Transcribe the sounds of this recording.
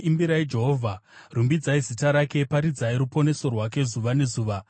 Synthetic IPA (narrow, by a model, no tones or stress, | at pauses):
imbiɾaid͡ʒe̞ɦoːvʱarumbid͡zaizitaɾake̞paɾid͡zaiɾupo̞ne̞so̞rwake̞zuʋane̞zuːʋa